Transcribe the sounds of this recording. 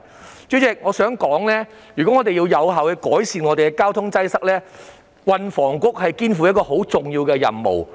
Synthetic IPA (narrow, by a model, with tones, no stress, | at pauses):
t͡ʃy˨˥t͡sɪ˨˩k̚ŋɔː˨˧sœː˨˥ŋkɔː˨˥ŋlɛː˥ | jyː˨˩kɔ˨˥ŋɔː˨˧t̪e˨jiː˧wjɐ˨˧wɦaː˨whɛ˧jkɔː˨˥jsiː˧nŋɔ˨˧t̪e˨kɛ˧kaː˥wt̪ʰʊ˥ŋt͡sɐ˥jsɐ˥k̚lɛː˥ | wɐ˨nfɔː˨˩ŋkʊ˥k̚hɐ˨jkiː˥nfu˨jɐ˥t̚kɔː˧ɦo˨˥wt͡sʊ˨˩ŋjiː˧wkɛː˧jɐ̰˨˩nmo̰˨˩w